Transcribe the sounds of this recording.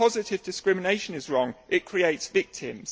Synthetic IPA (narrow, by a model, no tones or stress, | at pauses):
pʰɒzɪtɪvdɪskɹɪmɪneɪʃə̃nɪzɹɒ̃ŋʔɪʔkʰɹ̥ieɪtsvɪk̚tʰɪ̰̃mz̥